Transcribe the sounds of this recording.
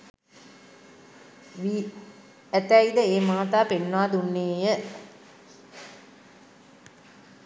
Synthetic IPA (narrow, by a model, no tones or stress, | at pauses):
ʋi | æt̪æid̪əeːmaːt̪aːpenːoaːd̪unːeːjə